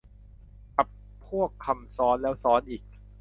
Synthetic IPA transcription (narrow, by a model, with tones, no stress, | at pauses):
ka˨˩pʰːu˥˩əkʰːa˧msɔː˦˥nlɛː˦˥wsɔː˦˥nʔiː˨˩k̚